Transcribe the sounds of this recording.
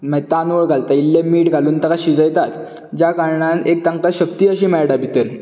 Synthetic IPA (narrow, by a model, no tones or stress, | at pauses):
mɛt̪anuʋəɭɡʱalt̪ailːemiːʈɡʱaluːnt̪əkaɕid͡zəjt̪at̪ | d͡ʑakaɾɳanek̚t̪aŋkəɕəkt̪iːəɕĩːmɛɭɖabit̪el